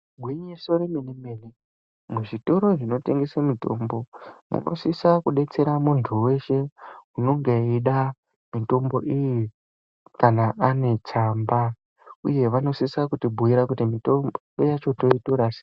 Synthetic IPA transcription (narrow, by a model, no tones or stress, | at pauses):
ɡʱwiɲiso̞ɾeminimeli | muʐito̞ɾo̞ʐino̞te̞ŋɡesamito̞̰mbo̞mṵno̞̰sisakuɗe̞t͡se̞ɾamuntʰuwe̞ʃe̞uno̞ŋɡe̞iɗa | mito̞mbo̞ʔiji | kanaʔːne̞t͡samba | ṵje̞ʋano̞sisakutibʱujiɾakutimitomboojat͡ʃo̞to̞itoɾase̥